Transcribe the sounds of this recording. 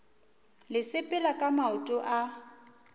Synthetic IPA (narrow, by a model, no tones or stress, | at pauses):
lɪsɪpʼɪlakʼamaʊtʼʊʔa